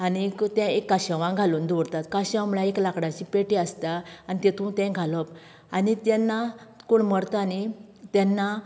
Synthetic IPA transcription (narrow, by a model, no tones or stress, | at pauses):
anikt̪ɛ̃ekːaɕəʋãɡʱalund̪oɽt̪at̪kaɕãmɭaeklakɽãt͡ɕipeʈeəst̪aanit̪ɛt̪ũt̪ɛ̃ɡʱalɔp | anit̪ɛ̃nːakoɳməɽt̪aanit̪ɛ̃nːa